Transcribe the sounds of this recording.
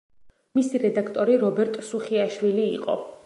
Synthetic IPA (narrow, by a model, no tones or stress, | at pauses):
misiɾɛd̪akʰt̪ʼɔɾiɾɔbɛɾt̪ʼsuχiaʃwiliːqʼɔ̰